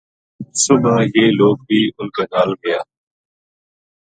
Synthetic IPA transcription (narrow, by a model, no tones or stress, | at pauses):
sʊnaːjeːloːk̚biːʊnkaːnaːlmɪjaː